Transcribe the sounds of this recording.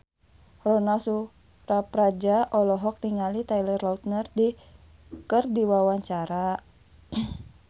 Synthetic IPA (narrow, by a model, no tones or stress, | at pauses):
rɔnasu | rapɾad͡ʒaʔɔlɔɦɔk̚niŋalit̪ajlərlaut̪̚nərdi | kərdiwawaɲt͡ʃaɾa